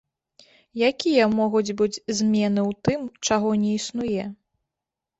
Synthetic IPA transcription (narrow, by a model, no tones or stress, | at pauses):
jakʲijɐmɔɣud͡zʲbɨd͡zʲzʲmʲɛnɨwt̪ɨmt͡ʂaɣɔnʲɛisnujɛ